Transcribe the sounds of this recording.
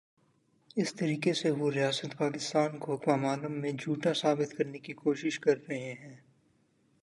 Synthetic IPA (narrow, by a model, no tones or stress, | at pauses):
ɪst̪ɐɾiːkeseʋoɾɪjaːsət̪paːkɪst̪aːnkokwaːmaːləmːẽd͡ʒʱuːʈasaːbɪt̪kɐɾnekikoːʃɪʃkɐɾːɐɦeɦɛ̃ː